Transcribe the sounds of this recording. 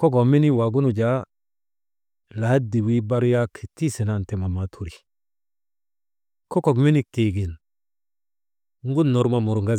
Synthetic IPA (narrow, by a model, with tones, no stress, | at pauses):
ko˦ko˨mi˦ni˦wa˨ɡu˦nu˨d͡ʒa˦ | la˨ha˦di˨wi˦ba˦ɾja˦ki̥˨ti˦se˨na˦˨nte˨ma˨ma˨tʰu˦˨ɾi˨ | ko˦ko˨kmi˦ni˦ke˨ɡi˨n | ŋ˦ɡu˦nːo˨ɾma˦˨mu˨ɾŋɡa˦